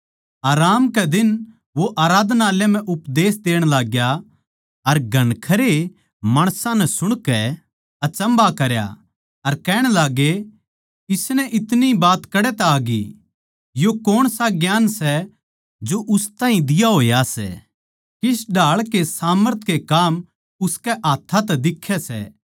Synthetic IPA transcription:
aːɾaːmkɛd̪ɪn | ʋoʔaːɾaːd̪naːljam̤ɛ̃ʔʊpd̪eːsd̪eːɽ̃laːɡja | ɐɾɡʱɐnkʰɐɾe | maːɽ̃sãnɛsʊɽ̃kɛ | ɐt͡ʃɐ̃mbakɐɾja̰ | ɐɾkɛːɽ̃laːɡe | ɪsnɛʔɪt̪nibaːt̪kɐɽɛt̪ɛaːɡḭ | jokoːɽ̃saɡjaːnsɛ | d͡ʒoʔʊst̪aːɦĩd̪ɪjaɦoːjasɛ̰ː | kɪsɖʱaːɭkesaːməɾt̪ʰkekaːm | ʊskɛʔaːt̪ʰːat̪ɛd̪ɪkʰːɛsɛ̰

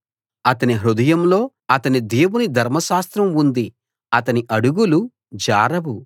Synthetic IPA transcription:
ɐt̪ɐniɦɾud̪ɐjɐmlo̞ː | ɐt̪ɐnid̪eːwunid̪ʱɐɾmɐʃaːst̪ɾɐmund̪i | ɐt̪ɐniʔɐɽuɡulu | d͡ʒaːɾɐʋu

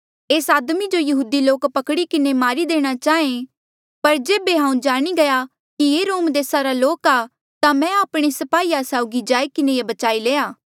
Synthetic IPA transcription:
eːsaːd̪mid͡ʒojɐɦuːd̪iloːkpɐkɽikɪnemaːɾid̪eːɽ̃at͡ʃaːẽ | pɐɾd͡ʒeːbeɦãːũd͡ʒaːɽ̃iɡɐja | kijeːɾoːmd̪eːsaɾaloːkaː | t̪amɛ̃aːpɽ̃esɐpaːiasaːʊɡid͡ʒaːikɪnejebɐt͡ʃaːileːaː

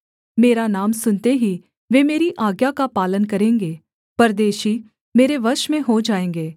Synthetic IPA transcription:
meːɾanaːmsʊnt̪eɦi | ʋeːmeːɾiʔaːɡjakapaːlənkɐɾẽːŋɡeː | pɐɾd̪eːʃi | meːɾeʋəɾʃmẽɦod͡ʒaːẽːŋɡeː

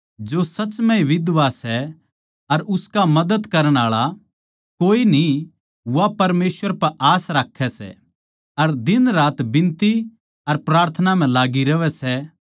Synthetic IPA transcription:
d͡ʒoːsɐt͡ʃmɛ̃iʋɪd̪ʋasɛ | ɐɾʊskamɐd̪əd̪kɐɾəɽ̃aːɭa | koːini | ʊʋapɐɾmeːsʋəɾpɐɾʔaːsɾaːkʰːɛsɛ̰ | ɐɾd̪ɪnɾaːt̪bɪ̃nt̪i | ɐɾpɾaːɾt̪ʰənam̤ɛ̃laːɡiɾɐʋɛsɛ

